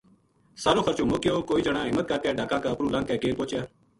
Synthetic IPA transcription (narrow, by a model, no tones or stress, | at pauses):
saːɾoːxʰəɾt͡ʃõːmoːkjoːkoːiːd͡ʒəɽãːɦɪmːət̪̚kəɾkɛːɖʱaːkãːkaːəpɾuːlãːkɛːkeːɾpõːt͡ʃjaː